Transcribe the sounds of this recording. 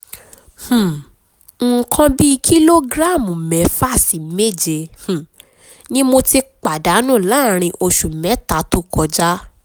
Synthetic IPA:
h̩˨ | ŋ̩˨kʰã˧bi˦˧kʰi˦lo˦ɡɾa˦˨mũ˨mɛ˨˦fa˦˨sti˨me˦˨d͡ʒe˧h̩˨ | nĩ˦mo˧ti˧k͡pa˨da˨˦nũː˦˨la˨˦˨ɾ̃ĩ˧ʔo˧ʃu˨mɛ̃˨˦ta˨˦tu˦kɔ˧d͡ʒa˦

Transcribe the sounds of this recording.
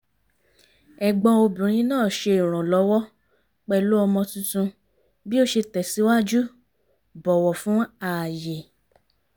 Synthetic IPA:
ɛ˨ɡ͡bɔ̃˧o˧bĩ˨ɾ̃ĩ˨˧˦nãː˦˨ʃe˧i˨ɾ̃ɔ̃˨lɔ˨˦wɔ˦ | k͡pɛ˨lo˦ɔ˧mɔ̃˧tũ˦tũ˧ | bi˦o˦ʃe˧tɛ˨si˨˦wa˦d͡ʒu˦ | bɔ˨wɔ˨fũ˨˦a˦˨je˨

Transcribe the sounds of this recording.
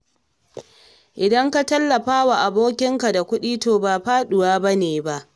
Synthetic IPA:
ʔɪ˨dɐ˦ŋka˦tɐ˦lːɐ˨ɸaː˦wa˨ʔa˨boː˦kʲɪ˦ŋka˨da˨kʷʊ˦ɗiː˦toː˨baː˨ɸaː˦ɗʊ˨waː˦bɐ˦neː˨ba˦ʔ

